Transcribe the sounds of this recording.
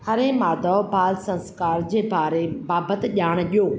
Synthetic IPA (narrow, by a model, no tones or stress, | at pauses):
hɐɾẽmaːd̪ɔbaːlsɐ̃nskaːɾd͡ʑeːbaːɾebaːbət̪ʄaːɽ̃ɗijoː